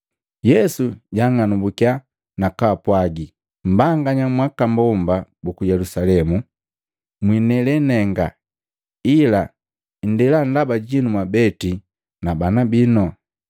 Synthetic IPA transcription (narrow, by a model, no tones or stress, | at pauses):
jɛsuɟaŋanubukia | nakapwaɡi | m̩baŋɡaɲamwakambɔmbabukujɛlusalɛmu | mwinɛlɛnɛŋɡa | ila | n̩dɛlandabaɟinumwabɛti | nabanabinɔ